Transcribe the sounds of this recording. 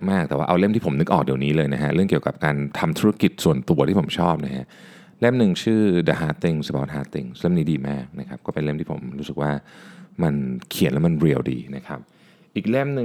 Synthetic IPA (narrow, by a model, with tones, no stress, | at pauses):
maː˥˩k̚t̪ɛ˨˩waː˥ʔwle˥˩mt̪ʰiː˥˩po˩˦mnɯ˦˥k̚ʔɔː˨˩k̚di˨˩əwniː˦˥lɤː˧jna˦˥kʰa˦˥ʔɾɯ˥˩əŋki˨˩ə˩wka̰˨˩p̚kaː˧nt̪ʰa˧mt̪ʰuː˦˥ɾa˦˥ki˨˩t̪̚su˨˩ənt̪u˧ɐt̪ʰiː˥˩po˩˦mt͡ɕʰɔː˥˩p̚na˦˥kʰa˦˥ʔ | le˥˩mnɯ˨˩ŋt͡ɕʰɯː˥˩da˨˧˩ɦaː˦˥t̪i˧˩ŋsə˧ba˦˥t̪̚haː˦˥t̪i˧ŋle˥˩mniː˦˥diː˧maː˥˩k̚na˦˥kʰa˦˥p̚kɔː˥˩pe˧nle˥˩mt̪ʰiː˥˩po̰˩˦mɾu˦˥sɯ˨˩k̚waː˥˩ma˧nkʰi˨˩˦nlɛ˦˥ma˧nɾi˧əwdḭː˧na˦˥kʰa˦˥p̚ | ʔiː˨˩k̚le˥˩mnɯ˧